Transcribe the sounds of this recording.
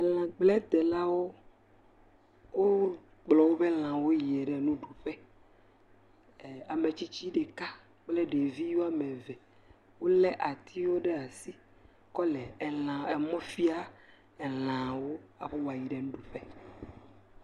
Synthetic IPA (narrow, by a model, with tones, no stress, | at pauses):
lã˨ɡ͡blɛ˦d̪ɛ˨la˦wo˦ | wo˦ | ɡ͡blɔ˨wo˦bɛ˦l̃ã˨wo˦ji˨ɛ˨ɖɛ˨nũ˦ɖu˨ɸɛ˦˨ | a˨me˨t͡ɕi˦t͡ɕi˦ɖɛ˨ka˦ | k͡plɛ˦ɖe˨vi˦jo˦a˦mɛ̃˨vɛ˨ | wo˦lɛ˦ʔa˨t̪ʰi˦wo˦ɖɛ˦a˨si˦ | kɔ˦lɛ˨ɛ˨lã˨ɛ˨mɔ̃˦fi˦a˦ | ɛ˨lã˨wo˦a˨ɸɛ˦wa˨ji˨ɖɛ˨nũ˦ɖu˨ɸɛ˦